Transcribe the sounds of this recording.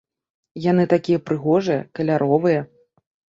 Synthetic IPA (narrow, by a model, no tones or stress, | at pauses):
janɨt̪akʲijɐpɾɨɣɔʐɨjɐkɐlʲaɾʔɔvɨjɐ